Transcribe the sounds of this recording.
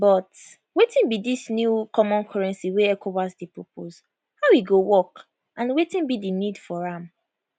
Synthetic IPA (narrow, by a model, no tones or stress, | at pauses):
bɔt | wetĩnbidisnjukʰɔmɔ̃nkʰɔɹɛ̃nsiweɛkʰowasdipɹopʰos | haʊwiɡowɔk | ãnwetĩnbidinidfɔɹãm